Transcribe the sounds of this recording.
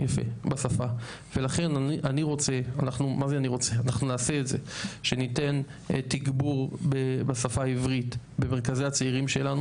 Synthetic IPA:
jafḛbasafa | ve̞laχe̞naniʔaniʁo̞t͡se̞anaχnumazeaniʁo̞t͡seanaχnunaːseːtze̞ʃe̞nite̞n | tiɡbuʁbebasafaivʁit | be̞meʁkazehat͡seiʁimʃe̞lanu

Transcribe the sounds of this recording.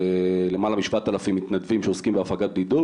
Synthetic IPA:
ele̞malamiʃvaat̪ːalafimːit̪nad̪vimʃeoskimbeafaɡat̪̚bɡid̪u

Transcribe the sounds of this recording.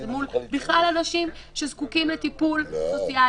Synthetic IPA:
mulbiχlalanaʃim | ʃe̞zkukimlet̪ipulsot͡sia

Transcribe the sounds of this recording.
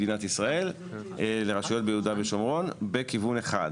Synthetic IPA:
dinat̪isʁae̞l | leʁaʃujo̞t̚bejeudabeʃomʁo̞nbekivuneχa̰d

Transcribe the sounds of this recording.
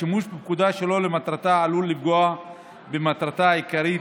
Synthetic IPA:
imuʃbemkud̪aʃelo̞lemat̪ɾat̪aalulːifɡoa | bemat̪ɾat̪aikaɾit

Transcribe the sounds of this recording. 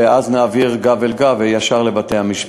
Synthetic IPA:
eaznaːviʁɡavelɡavejaʃaʁlebat̪ejhamiʃ

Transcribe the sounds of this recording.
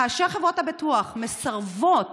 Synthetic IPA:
aːʃeχevʁo̞thabituaχmesaʁvot

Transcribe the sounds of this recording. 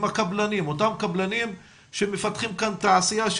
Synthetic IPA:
makablanimot̪amkablanim | ʃemefat̪χimkant̪aʕsijaʃ

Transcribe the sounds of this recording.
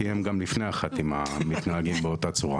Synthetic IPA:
ijemɡamlifnejaχat̪imamit̪naaɡimbeo̞t̪at͡suʁa̰

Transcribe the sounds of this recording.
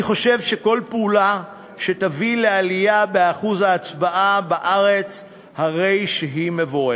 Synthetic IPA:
iχo̞ʃe̞vʃe̞ko̞lpeula | ʃetavilealijabeaχuzhaːt͡sbaʔabaʔaʁe̞t͡s | haʁe̞jʃeɦimevoʁe

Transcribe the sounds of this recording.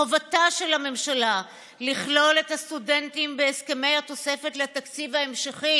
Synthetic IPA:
ovataʃe̞lhame̞mʃala | liχlo̞le̞thast̪ude̞ntimbeeskeme̞jhat̪o̞se̞fe̞tlet̪akt͡sivae̞mʃaχi

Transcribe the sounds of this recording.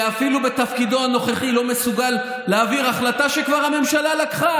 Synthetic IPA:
afilube̞t̪afkid̪oano̞χeχilo̞me̞suɡalː | eaːviʁaχlat̪aʃekvaʁhame̞mʃalalakχa

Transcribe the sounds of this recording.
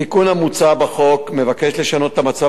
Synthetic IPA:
ikunhamut͡sabaχo̞kme̞vakeʃle̞ʃano̞t̪et̪amat͡sa

